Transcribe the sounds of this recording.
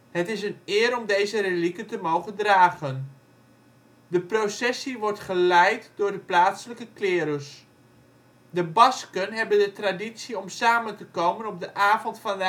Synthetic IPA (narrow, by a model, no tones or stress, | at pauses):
hətɪsənɪːɾɔmdejzərelikətəmowχəndraːɣən | dəprosɛsiʋɔɹtχəlɛjtdʊːrdəplaːtsələkəklɪːɾəs | dəbɑskənɦɛbəndətraditsiɔmsaːməntəkowmənɔb̚dəʔaːvɔntfɑndə